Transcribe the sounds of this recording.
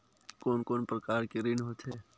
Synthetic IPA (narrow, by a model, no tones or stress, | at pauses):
koːnkoːnpɾɐkaːɾkeɾɪnɦot̪ɦeː